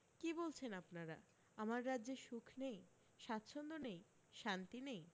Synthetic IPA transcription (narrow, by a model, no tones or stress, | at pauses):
kibolt͡ɕʰenapnaɾa | amaɾːadːʑeɾʃukʰnej | ʃat̪ːɕʰond̪onej | ʃant̪inej